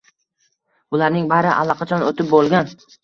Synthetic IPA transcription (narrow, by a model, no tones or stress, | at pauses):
bʊlaɾnɪŋbaɾɪʔa̰lːˠɒqʰɑt͡ʃʰɒnot̪ʰɪp̚bolˠɡʲan